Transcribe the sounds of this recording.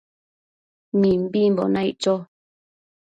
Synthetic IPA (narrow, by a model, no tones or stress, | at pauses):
mĩm̩bim̩bɔ̰naiʔt͡ʃɔ